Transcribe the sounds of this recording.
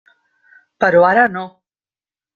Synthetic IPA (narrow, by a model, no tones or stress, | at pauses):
pəɾwaɾano